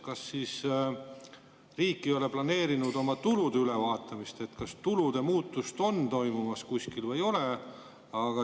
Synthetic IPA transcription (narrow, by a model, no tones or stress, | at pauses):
kɑsːiːs | riːkːˑio̞le̞plɑne̞ːɾinud̪o̞mɑt̪ulud̪eyle̞vɑːt̪ːˑɑmist̪e̞t̪kɑst̪ulud̪̥e̞muːt̪ːˑust̪o̞nt̪o̞jmumɑskuskilvɤjo̞le̞ | ɑɡ̥ɑ